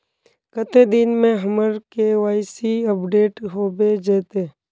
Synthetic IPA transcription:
kət̪ed̪ɪnmẽɦəməɾkeʋaːɪsiəpɖeːʈɦoːbed͡ʒeːt̪e

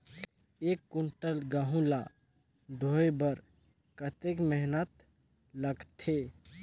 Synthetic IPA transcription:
ekːuɳʈəlɡaɦũla | ɖʱoːjbəɾ | kət̪ekmɛɦnət̪ | ləɡt̪ʰe

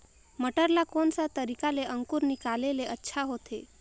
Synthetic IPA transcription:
məʈəɾlakonsat̪əɾikaleʔəŋkuɾnɪkaleleʔətːʃʰaɦot̪ʰe

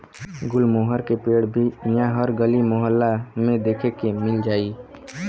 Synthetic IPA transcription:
ɡʊlmoːɦəɾkepeːɽbʱinjaɦəɾɡəlimoɦəlːamẽd̪eːkʰekemɪld͡ʒaːi

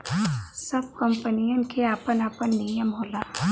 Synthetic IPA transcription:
sɐb̚kɐ̃mpənijənkʰeaːpənaːpənːijəmɦoːlaː

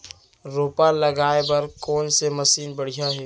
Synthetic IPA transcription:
ɾoːpalɐɡaːebɐɾkoːnsemɐsiːnbɐɽ̤ijaɦɛː

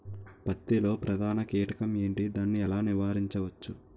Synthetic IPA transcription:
pɐt̪ːilo̞ːpɾɐd̪ʱaːnɐkiːʈɐkɐme̞ːɳʈid̪aːnːiɛlaːniʋaːɾiɲt͡ʃɐʋɐt͡ʃːu

